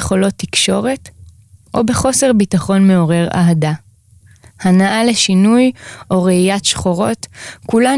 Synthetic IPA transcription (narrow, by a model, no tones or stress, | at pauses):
eχolo̞t̪ːikʃo̞ʁet | ʔo̞be̞χo̞se̞ʁbitaχo̞nme̞o̞ʁe̞ʁa̰ɦada | hanaʔaleʃinujʔo̞ʁeijatʃχoʁo̞tkula